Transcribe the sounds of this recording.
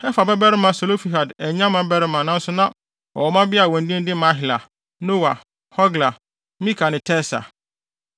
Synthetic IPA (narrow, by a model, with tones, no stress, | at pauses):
ɛ˦fa˨bɛ˦bɛ˦ɾɪ˦mã˨so˨lo˦fi˨ɦa˨dɛ˨ɲã˦mã˨bɛ˦ɾɪ˦mã˨nã˦n̩˦sʊ˦nã˦ | ɔ̰˨wɔ˨mã˦bɪ˦a˨wɔ̃˨n˨dĩ˦n̩˦dɪ˦mã˦ɦɪ˨la̰˨ | no˦wa˨ | hɔ˦ɡla˨ | mĩ˦kʰa˨nɪ̃˨tʰɛ˦sa̰˨